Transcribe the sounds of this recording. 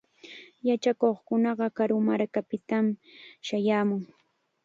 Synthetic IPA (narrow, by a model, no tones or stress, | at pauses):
jat͡ʃakoχkʊnɑɢɑkaɾʊmaɾkapɪt̪amʃajaːmʊŋ